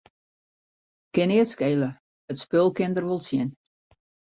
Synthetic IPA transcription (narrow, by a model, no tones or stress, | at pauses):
kɪnɪətskeːlə | ətspølˠkɪndərʋolˠsjɪn